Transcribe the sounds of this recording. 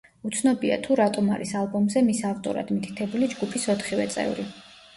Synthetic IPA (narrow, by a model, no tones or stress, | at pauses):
ut̪sʰnɔbia̰t̪ʰuɾat̪ʼɔmaɾisalˠbɔmzɛmisaft̪ʼɔ̰ɾa̰d̪mit̪ʰi̥t̪ʰɛbulid͡ʒɡupʰisɔt̪ʰχivɛt̪sʼɛ̰vɾi